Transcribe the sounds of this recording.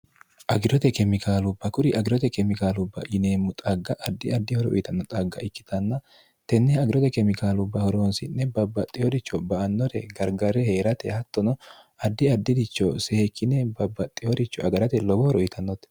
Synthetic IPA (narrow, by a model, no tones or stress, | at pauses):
ʔɐɡɪɾɔt̪ɛkɛmɪkaːlʊbːɐkʊɾɪʔɐɡɪɾɔt̪ɛkɛmɪkaːlʊbːɐ̰ʔɪneːmːʊt̪ʼɐɡːɐʔɐd̪ːɪɐd̪ːɪhɔɾɔ̰ʔɪt̪ɐnːɔt̪ʼɐɡːɐ̰ʔɪkːɪ̥t̪ɐnːɐ | t̪ɛnːɛɐɡɪɾɔt̪ɛkɛmɪkaːlʊbːɐhɔɾoːnsɪnːɛbɐbːɐt̪ʼːɪhɔd̪ɪt͡ʃːɔbɐʔɐnːɔɾɛɡɐɾɡɐɾɛhe̞ːɾɐt̪ɛ̰hɐt̪ːɔnɔ | ɐd̪ːɪɐd̪ːɪd̪ɪt͡ʃːɔsɛkʰːɪnɛbɐbːɐt̪ʼːɪjɔd̪ɪt͡ʃːɔʔɐɡɐɾɐt̪ɛlɔbɔhɔɾɔɪt̪ɐnːɔt̪